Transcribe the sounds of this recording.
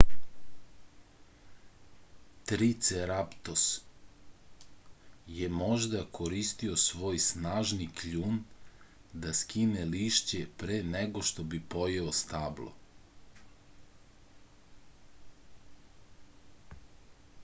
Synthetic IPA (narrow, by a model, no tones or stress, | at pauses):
t̪ɾit̪seɾapt̪os | jemo̞ʒd̪akʰoɾist̪io̞sʋo̞ːjsnaːʒniklʎuːn | d̪askineliʃt͡ɕepɾeːneɡo̞ʃt̪o̞bipo̞jeost̪aːblˠo̞̰